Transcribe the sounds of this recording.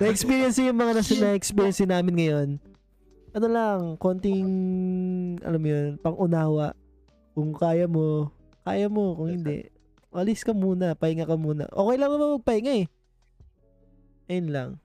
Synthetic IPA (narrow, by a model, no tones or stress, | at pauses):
nɐɛkspiːɾjɛnsɪjʊŋmɐŋanɐsɐnɐʔɛkspiːɾjɛnsɪnaːmɪnŋɐjo̞n | ʔɐno̞lɐŋko̞nt̪ɪŋ | ʔɐ̰lamːojonpɐŋʔʊnaːwaʔ | kʊŋkaːjɐmo̞ | kaːjɐmo̞kʊŋhɪnd̪ɛ̰ʔ | mɐlɪskɐmuːnɐpɐɪŋɐkɐmuːnɐ̰ʔoːkɛjlɐŋnɐbamɐɡ̚pɐhɪŋaɛ | ɐjonlɐ̰ŋ